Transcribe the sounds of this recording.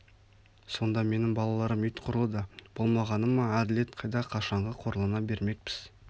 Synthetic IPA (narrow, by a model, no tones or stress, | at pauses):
so̞nd̪ɑme̞nɪŋbɑlˠɑlˠɑɾəmʏjt̪qʰʊɾəlˠəd̪əb̥o̞lˠmɑʁɑnəmːɑad̪ɪle̞t̪qʰɑjd̪ɑqʰɑʃɑɴʁəqʰo̞ɾəlˠənɑbe̞ɾme̞k̚pɪz̥